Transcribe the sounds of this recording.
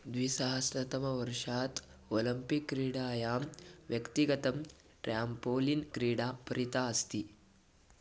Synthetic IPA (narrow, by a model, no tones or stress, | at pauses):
d̪ʋisaɦɐsɾɐt̪ɐmɐʋɐɾʂaːt̪ | oːlɐmpikːɾiːɽaːjaːmʋjɐkt̪iɡɐt̪ɐm | ʈɾjaːmpoːlinkɾiːɽaːpɐɾit̪aːɐst̪i